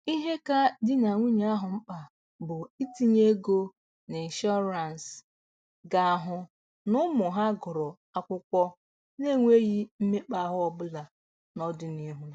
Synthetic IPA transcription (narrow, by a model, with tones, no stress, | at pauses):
i˦ɦe˦ka˦dɪ˦na˨ŋʷi˦ɲa˦a˦ɦʊ˨m̩˦k͡pa˨ | bʊ˨i˦ti˦ɲe˦ɡo˦ | ni˨ʃɔ˦ɾa˨n˨s | ɡa˨a˨ɦʊ˨ | nʊ˦mʊ˨ɦa˦ɡɔ˨ɾɔ˨ | a˨kʷʊ˦kʷɔ˦ | ne˦˨ŋʷe˦ɣi˦m̩˦me˦k͡pa˦˨ɦʊ˦ɔ˦bʊ˦la˨ | nɔ˦dʊ˦ni˦ɦʊ˦